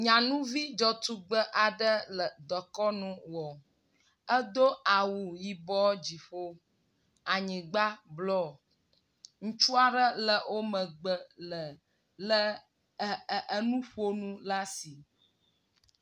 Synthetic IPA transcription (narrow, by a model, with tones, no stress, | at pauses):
ɲã˨nũ˦vi˦d͡ʒɔ˨t̪u˦ɡ͡bə˦ʔa˨ɖə˦lə˨d̪ɔ˨kɔ˦nũ˦wɔ˨ | ə˦d̪o˦a˨wu˨ji˨bɔ˦d͡ʑi˨ɸo˦ | a˨ɲĩ˨ɡ͡ba˦blɔ˦˨ | ŋ̩̃˦t͡ʃu˦a˨ɖə˦lə˨wʔo˦mə˨ɡ͡bə˦lə˨ | lə˦˨ | ə˦nũ˦ɸo˦nũ˦la˦si˨